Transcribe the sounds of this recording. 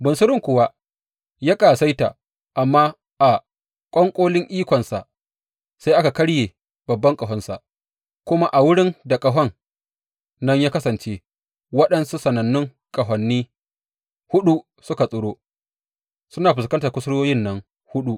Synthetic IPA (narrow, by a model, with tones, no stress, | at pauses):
bʊ˨nsʊ˦ɾɪ˦ŋkʷʊ˨wa˦ | ja˦kʼaː˨sa˦jta̰˨ | ʔa˨mːaː˦ | ʔa˨ | kʷʼɔ˦ŋkʷʼoː˦lɪ˦ŋʔiː˦kʷɔ˨nsa̰˨ʔ | sa˦jʔa˦ka˨kɐ˦ɽjeː˨ | bɐ˨bːɐ˦ŋkʼɐ˨ɦɔ˦nsa̰˨ʔ | kʷʊ˦ma˦ʔa˨wʊ˦ɽɪ˦nda˨kʼɐ˨ɦɔ˦nː | ɐ˦ɲjaː˦kɐ˦sɐ˨nt͡ʃe˦ | wɐ˦ɗɐ˦nsu˦sɐ˨nɐ˨nːɪ˦ŋ | kʼɐ˨ɦɐ˨nːiː˦ | hʊ˦ɗu˦ | sʊ˦ka˨sʼʊ˨ɽoː˦ | sʊ˦naː˨ɸɪ˨skɐ˦ntaː˨kʷʊ˦sɽoː˦jɪ˦nːɐ˦ŋ | hʊ˦ɗu˦ʔ